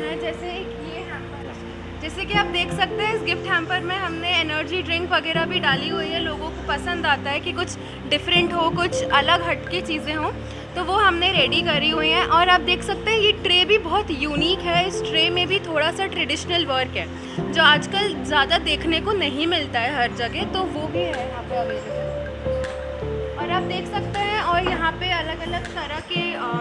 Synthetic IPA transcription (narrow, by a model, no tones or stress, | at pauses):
ɛ̃d͡ʒɛːseːkjeɦɛ̃ːmpə | d͡ʒɛːsekiaːp̚d̪eːkʰsɐk̚t̪eɦɛ̃ɪsɡɪfʈɦɛ̃ːmpəɾmẽɦɐmneenəɾd͡ʒiɖɾɪ̃ŋkʋɐɡɛːɾabʱiɖaːliɦuiɦɛloːɡõkopɐsə̃nd̪aːt̪aɦɛkikʊt͡ʃʰ | ɖɪfɾə̃ɳʈɦokʊt͡ʃʰɐləɡɦɐʈket͡ʃiːzẽɦoː | t̪oʋoɦɐmneɾeːɖikɐɾiɦuiɦɛ̃ʔɔːɾaːp̚d̪eːkʰsɐk̚t̪eɦɛ̃jeʈɾeːbʱibɔɦt̪juːniːkɦɛɪsʈɾeːmẽbʱit̪ʰoːɽasaʈɾɛɖɪʃnəlʋəɾkɦɛː | d͡ʒoːaːd͡ʒkəlzjaːd̪ad̪eːkʰnekonɐɦĩmɪlt̪aɦɛɦɐɾd͡ʒɐɡɛt̪oʋobʱiɦɛɦãːpae | ɔːɾaːp̚d̪eːkʰsɐk̚t̪eɦɛ̃ɔːɾjɐɦãpeɐləɡɐləɡt̪ɐɾakiː